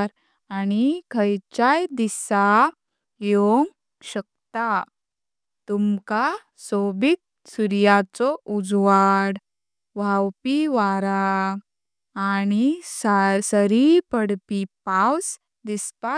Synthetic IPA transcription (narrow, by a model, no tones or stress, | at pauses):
ɾ | añikʰəjt͡ɕajd̪isa | joŋɡ | ɕək̚t̪a | t̪umka | sobik̚ | suɾjat͡sɔʔud͡zʋaɽ | ʋawpiʋaɾa | añiasəɾipəɽpipaws | d̪ispa